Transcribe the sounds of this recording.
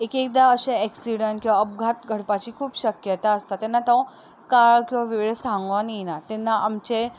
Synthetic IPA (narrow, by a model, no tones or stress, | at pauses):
ekek̚d̪aəɕeɛksiɽənʈkĩw̃ʋaəb̚ɡʱat̪ɡʱəɽpat͡ɕiːkʰuːpɕəkjət̪aəst̪at̪enːat̪ã | kaɭkĩw̃ʋaʋeɭsãŋɡʋaninat̪enːaʔamt͡ɕe